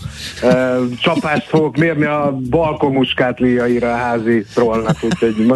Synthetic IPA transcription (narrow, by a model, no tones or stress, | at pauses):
øt͡ʃɒpaːʃt̪foɡokmeːrniɒbɒlkomːuʃkaːt̪liːjɒiɾɒɦaːzit̪rolnɒkhucʰhoɟm